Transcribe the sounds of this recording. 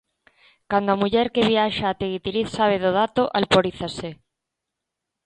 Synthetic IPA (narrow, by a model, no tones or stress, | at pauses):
kand̪oamuʎɛɾkeβiaʃaːt̪eɣit̪iɾiθsaβ̞eðoðat̪oʔalpoɾiθase